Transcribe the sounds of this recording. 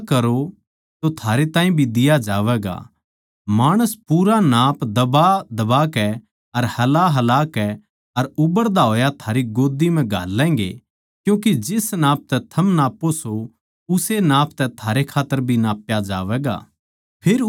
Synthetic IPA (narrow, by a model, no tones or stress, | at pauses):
kɐɾo | t̪ot̪ʰaːɾet̪ãːĩbʱid̪ɪjad͡ʒaːʋɛːɡa̰ | maːɽ̃əspuːɾanaːpd̪ɐbad̪ɐbaːkɛ | ɐɾhɐlaɦɐlaːkɛ | ɐɾʊbəɾd̪aɦoːjat̪ʰaːɾiɡoːd̪imɛ̃ɡʱaːlːɛ̃ːŋɡe | kjũːk̬id͡ʒɪsnaːp̚t̪ɛt̪ʰɐmnaːpːoso | ʊsenaːpʰt̪ɛt̪ʰaːɾekʰaːt̪ːəɾbʱinaːpjad͡ʒa̰ːʋɛːɡa̰ː | pʰeːɾ